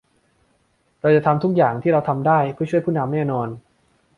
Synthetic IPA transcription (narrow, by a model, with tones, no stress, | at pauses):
ɾa˧wt͡ɕa˨˩t̪ʰa˧mt̪ʰu˦˥k̚jaː˨˩ŋt̪ʰiː˥˩ɾa˧wt̪ʰa˧mdaː˥˩jpʰɯ˥˩t͡ɕʰu˥˩əjpʰuː˥˩na˧mːɛː˥˩nɔː˧n